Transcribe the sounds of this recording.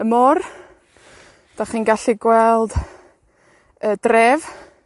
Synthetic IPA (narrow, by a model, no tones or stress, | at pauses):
əmɔr | d̥aχinɡaɬiɡwɛlˠd̥ | əːdrɛv